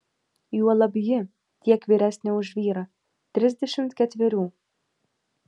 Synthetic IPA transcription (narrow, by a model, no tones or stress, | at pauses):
juɔlˠɐbʲjɪ | t̪ʲiɛkʋʲiːɾʲæsʲnʲɛʊʒʋʲiːɾɐ | t̪ʲɾʲɪzʲd̪ʲɛʃʲɪmt̪kʲɛt̪ʲʋʲɛɾʲuː